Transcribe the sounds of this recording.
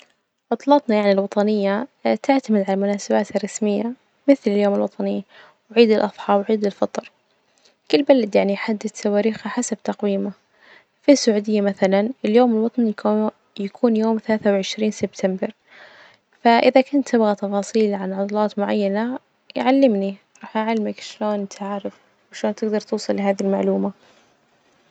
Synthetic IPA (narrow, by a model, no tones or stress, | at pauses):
ʕʊt̪ˤlɑt̪ˤnɑjaʕnilwɑt̪ˤɑnɪjːat̪ɪʕt̪amɪd̪ʕalamʊnaːsabaːt̪rˤːɑsmɪjːa | mɪθlɪljoːmɪlwɑt̪ˤɑnɪjːa | wʕiːd̪ɪlʔɑðˤħɑːbwʕiːd̪ɪlfɑt̪ˤɾ | kɪlːbalad̪jaʕniħad̪ːɪθsawaːɾiːxaħasabt̪ɑqwiːma | fisːʊʕuːd̪ɪjːamaθalanɪljoːmɪlwɑt̪ˤn | jakʰuːnjoːmθalaːθawʕɪʃɾiːnsɪbt̪ʰambɪɾ | faʔɪðakʊnt̪ːɪbɣat̪ɑfɑːsˤiːlʕanʕɑt̪ˤlɑːt̪mʊʕajːana | jʕalːɪmni | ɾˤɑːħʔaʕalːmakʃloːnt̪ʰaʕɾɪf | ʃloːnt̪ɪɡd̪ɑɾˤt̪uːsˤɑlːɪɦaːðilmaʕluːma